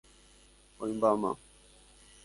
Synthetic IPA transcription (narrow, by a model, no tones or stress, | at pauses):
ɔĩmbama̰